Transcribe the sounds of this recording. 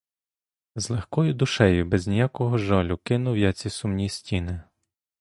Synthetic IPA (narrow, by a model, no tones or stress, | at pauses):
zlˠɛxkɔjʊd̪ʊʃɛjʊbɛznʲijakɔɦɔʒɔlʲʊkɪnʊwjat͡sʲisumnʲisʲtʲinɪ